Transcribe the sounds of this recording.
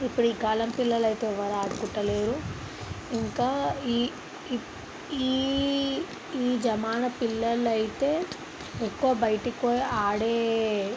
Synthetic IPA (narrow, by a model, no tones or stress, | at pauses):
ipːuɽuiːɡaːlɐmpilːɐlɐjt̪e̞ːʋɐɾaːɽkuʈːɐleːɾu | iŋkaːi | iː | iːd͡ʒɐmaːnɐpilːɐlɐjit̪e̞ː | ekːuʋɐbɐjʈikoːjaːɽeː